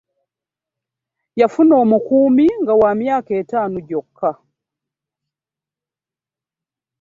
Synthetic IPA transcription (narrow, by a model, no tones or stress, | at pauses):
jafunɔːmukumiŋɡawamjakɛtanuɟɔkʰːa